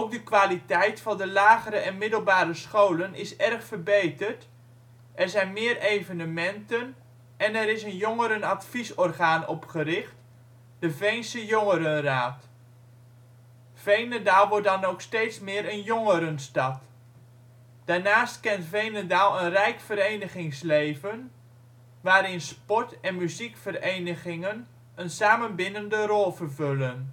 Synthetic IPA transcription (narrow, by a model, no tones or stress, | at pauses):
ɔp̚dəkʋaːlitɛjtfɑndəlaːɣəɾəʔɛnmɪdəlˠbaːɾəsχowlənʔɪsɛrχfərbejtərt | ʔɛɹzɛjnmɪːərejvənəmɛntən | ʔɛnɛɾɪsənjɔŋəɾənɑtfisɔrχaːnɔ̰pχəɾɪχt | d̥əvejnsəjɔŋəɾənraːt | v̥ejnədaːlˠʋɔɹ̚dɑnoksteːtsmɪːɾənjɔŋəɾənstɑt | d̥aːɹnaːstkɛntfejnədaːlˠənrɛjkfəɾejnəχɪŋslejvən | ʋaːɾɪnspɔtɛnmyzikfərejnəχɪŋən | ənsaːmənbɪnəndərɔlˠvərvølən